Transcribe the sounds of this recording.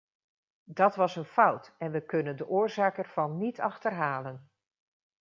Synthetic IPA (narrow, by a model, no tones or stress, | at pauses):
dɑtʋɑsənfʌwtɛnʋəkɵnəndəʔʊːɹzaːkɛɹv̥ɑnːitɑχtərɦaːlən